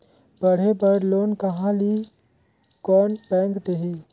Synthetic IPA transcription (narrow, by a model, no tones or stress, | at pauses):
bəɽ̤epəɾloːnkɐɦãli | kɔːnpɛ̃ːŋɡt̪eɦi